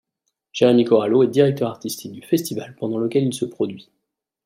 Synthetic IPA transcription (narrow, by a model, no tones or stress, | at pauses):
ʒ̥eʁemikɔʁaloɛd̪iʁɛk̚t̪œʁaʁt̪ist̪ʰik̚d̪yfɛst̪ivalpɑ̃d̪ɑ̃ləkʲɛlilsəpχɔd̪ɥi